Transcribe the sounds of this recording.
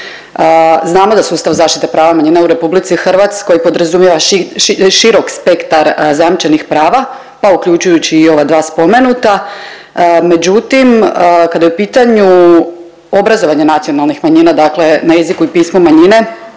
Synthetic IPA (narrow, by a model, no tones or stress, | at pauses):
əznaːmo̞d̪asuːst̪aʋzaːʃt̪it̪epɾaːʋamaɲiːnauɾe̞publit̪sixr̩ʋat̪sko̞jipo̞d̪ɾazumjeʋa | ʃiɾo̞kspe̞kt̪aɾzajamt͡ʃenixpɾaːʋa | paukʎut͡ʃujut͡ɕiːo̞ʋad̪ʋaːspo̞me̞nut̪a | me̞d͡ʑut̪imkad̪ajeupiːt̪aɲu | o̞bɾazo̞ʋaɲe̞nat̪sijo̞nalˠnixmaɲinad̪akle̞najezikuipismomaɲine̞